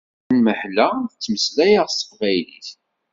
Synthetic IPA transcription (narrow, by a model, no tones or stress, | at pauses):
nməħlæθt͡sːməslæjaʁsə̥fʁæjlḭθ